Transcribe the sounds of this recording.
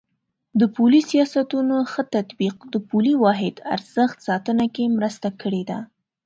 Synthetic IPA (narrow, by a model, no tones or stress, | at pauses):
d̪əpulisijɑsat̪unoxət̪at̪biq̚d̪əpuliwɑɦɪd̪a̰ɾz̥əxt̪sɑt̪ənakemɾəst̪akəɽed̪a̰